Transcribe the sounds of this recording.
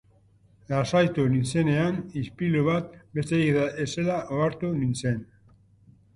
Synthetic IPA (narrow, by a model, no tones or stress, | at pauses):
lasajt̪uninse̞ne̞anispiluβat̪̚be̞st̪eiðaese̞laʔoaɾt̪uninse̞n